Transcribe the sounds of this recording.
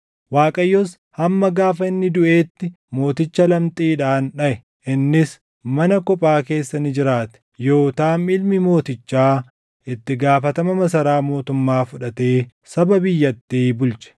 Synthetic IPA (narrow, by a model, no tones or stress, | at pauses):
waːkʼɐjːɔs | hɐmːɐɡaːfɐɪnːɪd̪ʊʔe̞ːt̪ːɪ | mo̞ːt̪ɪt͡ʃːɐlɐmt̪ʼiːᶑaːnᶑɐʔɛ | ʔɪnːɪs | mɐnɐkɔpʼaːke̞ːsːɐnɪd͡ʒɪɾaːt̪ɛ̥jo̞ːt̪aːmɪlmɪmo̞ːt̪ɪt͡ʃːaː | ʔɪt̪ːɪɡaːfɐt̪ɐmɐmɐsɐɾaːmo̞ːt̪ʊmːaːfʊᶑɐt̪e̞ː | sɐbɐbɪjːɐt̪ːiːbʊlt͡ʃɛ̥